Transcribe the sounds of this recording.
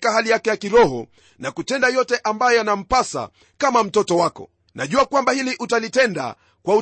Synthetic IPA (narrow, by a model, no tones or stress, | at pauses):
kahalijakɛjakiɾɔhɔ̰ | nakutɛndajɔtɛʔambajɔjanam̩pasa̰ | kamam̩tɔtɔwakɔ̰ | naʄuakwambahiliʔutalitɛnda̰ | kwau